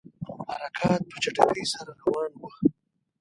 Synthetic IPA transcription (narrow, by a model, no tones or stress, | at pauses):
maɾakʰɑːt̪̚pət͡ʃaʈakəjsaɾaɾawɑnwa